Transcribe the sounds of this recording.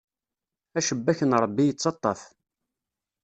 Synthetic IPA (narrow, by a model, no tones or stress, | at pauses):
æʃəbːæçənɾˤəbːijət͡sːɑt̪ˤːɑ̰θ